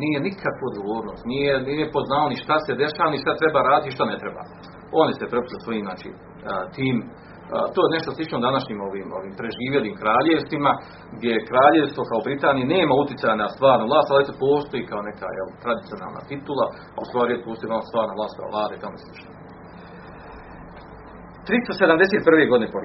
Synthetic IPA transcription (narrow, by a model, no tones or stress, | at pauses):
niːje̞nikʰakʋuod̪ɡo̞ʋo̞ːɾno̞ːst̪nijenijepoznaːloniʃt̪ase̞d̪e̞ʃaːʋaniʃt̪at̪ɾe̞baːɾaːd̪it̪iʃt̪anet̪ɾeba̰ː | o̞nisepɾepu̥seso̞jiːmznaːt͡ʃḭː | t̪iːm̰ | t̪oːjne̞ʃt̪oslˠit͡ʃnod̪anaʃɲiːmo̞ʋiːmo̞̰ʋiːmpɾeʒiːʋjeliːmkɾaːʎeʋst̪ʋima | ɡd̪ʲjejkɾaːʎe̞ʋst̪ʋokaobɾit̪aːnijeneːmaut̪jɪt̪sajanast̪ʋaːɾnuvlˠaːst̪alit̪opo̞ːst̪ojikaoneka̰ːjḛlt̪ɾad̪it̪sio̞na̰lna̰t̪it̪ulˠa | aṵst̪ʋaːɾiepo̞ːsoianost̪ʋaːɾnalaːst̪kʰa̰ʋlˠaːd̪eit̪amoelˠi̥ʃt̪o | t̪ɾist̪osed̪amd̪e̞set̪̚prʋeɡo̞d̪inepo